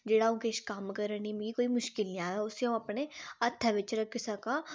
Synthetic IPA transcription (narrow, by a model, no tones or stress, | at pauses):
d͡ʒeːɽaʊ̃keːʃkaːmkɐɾənĩmɡikoːimʊʃkɪlnĩaːaʊseõɐpneɐt̪ʰːɐʋet͡ʃɾəkɪsaka